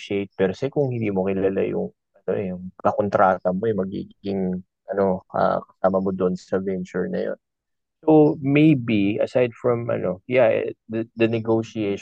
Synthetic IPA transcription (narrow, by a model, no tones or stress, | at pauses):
ʃiejt̪̚pɛɾsɛkʊŋhɪ̃nd̪iːmo̞kɪlaːla̰jʊ̰ŋ | ʔɐno̞̰ʔɛjʊŋkɐkont̪ɾaːt̪ɐmojʊmɐɡḭɡiɡɪŋ | ʔɐno̞ɐ̰kɐsaːmɐmod̪oʔnsɐvɛnt͡ʃʊɹnɐ̰jo̞̰n | somejbiʔɐ̰sajd̪̚fɹɐmʔɐ̰no̞jaʔɛ̰d̪ɐd̪ɐnɛɡoʃieʃ